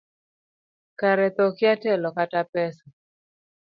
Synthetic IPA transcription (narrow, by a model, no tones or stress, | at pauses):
kaɾɛt̪ɔkɪatɛlɔkatapɛsa